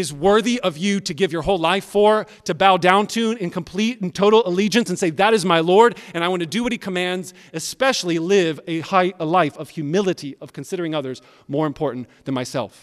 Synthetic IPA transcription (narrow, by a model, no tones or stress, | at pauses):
ɨzwɜ˞ðiʔʌvjɨɾɨɡɪvjə˞ɦoʊlaɪfə˞ | ɾɨbaʊdãʊ̃ntʰʉ̃nɨ̃nkʰə̃m̩pʰl̥iɾ̃n̩tʰoʊɾl̩ˠəlid͡ʒɨ̃nsɨ̃n̩seɪðɨɾɨzmaɪlɔɹɾɨ̃ñaɪwɑ̃nɨdɨwʌɾ̚hikʰəmæ̃ndz | ɨspɛʃl̩ˠilɪvɨhaɪlaɪfʌv̥hjʉmɪlˠɨɾiʌv̥kʰɨ̃n̩sɪɾə˞ɪ̃ŋʌðə˞z | mɔɹɨ̃mpʰɔɹʔn̩ðɨ̃nmaɪsɛ̰lˠf